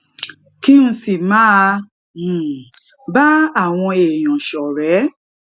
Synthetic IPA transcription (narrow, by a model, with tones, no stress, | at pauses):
ki˦n̩˨si˨ma˦ | m̩˨ | ba˦a˨ŋʷɔ̃˧e˨jɔ̃˨ʃɔ˨ɾɛ˨˦